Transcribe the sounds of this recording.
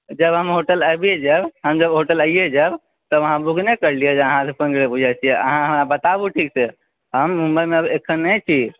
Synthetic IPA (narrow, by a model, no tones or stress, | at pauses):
d͡ʒəbɦəmɦoʈələjbied͡ʒabɦəmd͡ʒəbɦoʈələijed͡ʒab | t̪ɔʋəɦãbuɡnɛkəɾliɛd͡ʒəɦãsepə̃ŋɡɭebud͡ʒʱat͡ʃʰijɛʔə̰ɦãɦəmɾabət̪abuʈʰikse | ɦəmːũmbəjmeəbekʰːənːət͡ʃʰi